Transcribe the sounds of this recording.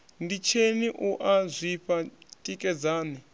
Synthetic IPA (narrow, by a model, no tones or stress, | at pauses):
ndit͡ʃʰeniʔuʔazʷiɸatʼikʼɛd͡zaːnɛ